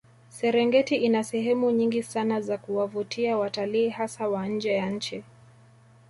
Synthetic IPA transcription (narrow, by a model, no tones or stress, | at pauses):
sɛɾɛŋɡɛtiinasɛɦɛmuɲiŋɡisanazakuwavutʰiawataliːhasawaɲ̩d͡ʒɛjaɲ̩t͡ʃi